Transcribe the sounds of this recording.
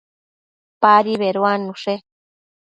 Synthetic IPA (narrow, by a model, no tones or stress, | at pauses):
paɾiβeɾuanũʂe